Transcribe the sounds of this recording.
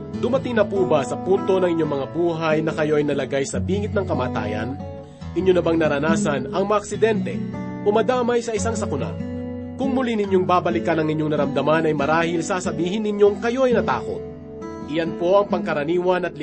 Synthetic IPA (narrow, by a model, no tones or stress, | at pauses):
d̪ʊmɐt̪ɪŋnɐpuːbasɐpunt̪o̞nɐŋɪɲːo̞ŋmɐŋabuːɦɐjnɐkɐjo̞ʔɐjnɐlɐɡajsɐbiːŋɪt̪̚nɐŋkɐmaːt̪a̰ːjɐ̰n | ʔɪɲjonɐbaŋnɐɾɐnaːsɐnɐŋmɐʔːk̚sɪd̪ɛnt̪ɛ̰ | ʔomɐd̪aːmɐjsɐʔɪsaŋsɐkʊna̰ | kʊŋmʊlinɪɲjoŋbaːbɐlɪkɐnɐŋɪɲjoŋnɐɾɐmd̪ɐmanɐjmɐɾaːhɪlsasɐbiːɦɪnːɪɲjo̞ŋkɐjo̞ɐjnɐt̪aːko̰t̪̚ | ʔɪjɐnpo̞ʔɐŋpɐŋkɐɾɐniːwɐnɐt̪̚lɪ